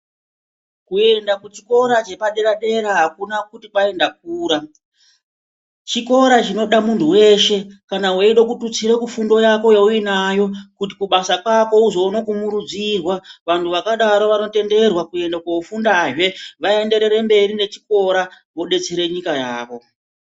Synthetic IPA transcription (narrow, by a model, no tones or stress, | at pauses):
kue̞ndakut͡ʃi̥ko̞ɾat͡ʃe̞paɗe̞ɾaɗe̞ɾaɦakunakutikae̞ndak̚uːɾa | t͡ʃiko̞ɾat͡ʃino̞ɗamuntʰuwe̞ʃe̞kanaweiɗo̞kutut͡siɾe̞kufundo̞jako̞jeuinajo̞kutikuɓasakwako̞uzo̞ːnokumuɾud͡zirwaʋantʰuʋakaɗaɾo̞ʋano̞te̞nde̞rwakue̞ndakoufundaʐe̞ʋae̞nde̞ɾe̞ɾe̞mbe̞rine̞t͡ʃi̥ko̞ɾa | ʋo̞ɗe̞t͡seɾe̞ɲikajaːko̞